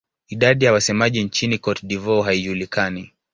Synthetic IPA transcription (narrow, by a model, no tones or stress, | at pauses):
iɗaɗijawasɛmaʄint͡ʃinikɔtɗivɔɦaiʄulikani